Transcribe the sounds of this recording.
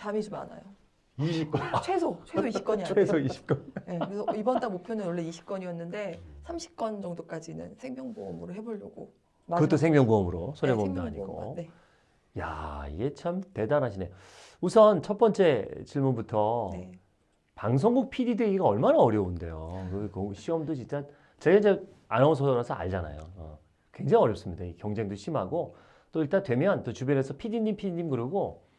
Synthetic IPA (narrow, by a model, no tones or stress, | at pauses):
t͡ɕamid͡ʑoma̰na̰jo | iɕik͈t͡ɕʰwesʰot͡ɕʰwesʰoiɕʰi̥p̚k͈ʌɲiwesʰoiɕʰi̥p̚k͈ʌnnekɾesʰʌibʌnd͈amopʰjonɯnwʌɭːe̞iɕʰi̥p̚k͈ʌɲijʌnːɯnde̞sʰamɕʰi̥p̚k͈ʌnd͡ʑʌŋdok͈ad͡ʑinɯ̰nsʰe̞ŋmʲjʌŋboʌmɯɾoɦe̞boɭːʌɡo̰ | kɯt͈osʰe̞ŋmjʌŋbuʌmɯɾo̰sʰoɾebondaaɲiɡɡo̰ne | ja̰ḭɡe̞t͡ɕʰamte̞danɦaɕʰine | usʰʌnt͡ɕʰʌp͈ʌnt͡ɕ͈e̞t͡ɕiɭmunbutʰʌ | paŋs̬ʰoŋɡuk̚pʰididweɡiɡaʌɭmanaʌɾjʌunde̞̰jokɯkɯɕʰiʌmdot͡ɕint͡ɕ͈a | t͡ɕeɡaid͡ʑe | anauns̬ʰʌɾasʰʌa̰ɭd͡ʑana̰jo̰ʌ̰ | kwe̞ŋd͡ʑaŋiʌɾjʌps͈ɯmɲidaikjʌŋd͡ʑe̞ŋdoɕʰimɦaɡo | t͈oiɭt͈antwe̞mjʌnt͈ot͡ɕubjʌne̞sʰʌpʰidiɲːimpʰidiɲːimkɯɾiɡo